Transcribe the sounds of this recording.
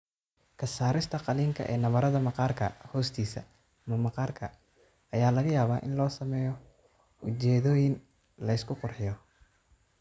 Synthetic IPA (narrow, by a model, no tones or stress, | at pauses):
kʰɐsaːɾɪst̪ʰɐqɑliːŋkʰɐ̰ʔɛ̰ːnɐβɐɾɐðɐmɑqɑːrkʰɐ̰hɔːst̪ʰiːsɐ̰ | mɐmɑqɑːrkʰɐ | ɐjaːlɐɣɐjaːβaːʔɪ̰nlɔːsɐmɛːjɔ | ʊt͡ʃɛːðɔːjɪn | lɐɪskʰʊqʊrħɪjɔ